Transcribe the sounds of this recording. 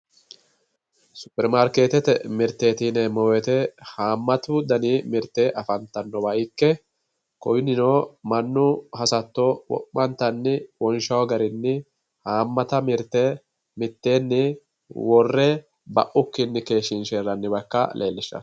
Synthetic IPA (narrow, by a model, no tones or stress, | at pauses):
sʊ̥pːɛɾmaːɾke̞ːt̪ɛt̪ɛ̰mɪɾt̪ːe̞ːt̪iːnɛmɔwɛt̪ɛhaːmːɐt̪ʊd̪ɐniːmɪɾt̪ːeːʔɐfɐnt̪ːɐnːɔbɐɪkːɛ | kɔjnɪnoːmɐnːʊhɐsɐt̪ːowɔ̰ʔmɐnt̪ːɐnːɪwɔnʃɐwɡɐɾɪnːɪ | haːmːɐt̪ɐmɪɾt̪e | mɪt̪ːe̞ːnːɪ | wɔrːɛ | bɐ̰ʔʊkːɪnːɪke̞ːʃɪnʃeːrːɐnːɪbɐkːɐ̰lʔḛːlːɪʃːɐ̰